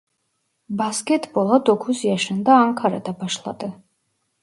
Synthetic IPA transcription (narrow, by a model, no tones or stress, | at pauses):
baskɛt̪ʰbɔlˠad̪ɔkʰusiaʃɛnd̪aːŋkʰaɾa̰d̪abaʃlˠa̰d̪ɛ